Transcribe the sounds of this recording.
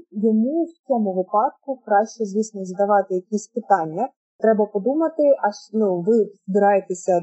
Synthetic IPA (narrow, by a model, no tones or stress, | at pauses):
jɔmuwt͡sʲɔmʊʋɪpɑd̪̚kʊkɾɑʃt͡ʃɛzʲʋʲisnɔzɐd̪ɐʋɑt̪ɪjɐkʲisʲpɪt̪ɑnʲːɐ | t̪ɾɛbɐpɔd̪umɐt̪ɪʔɐʃnuʋɪzbɪɾɑjet̪esʲɐ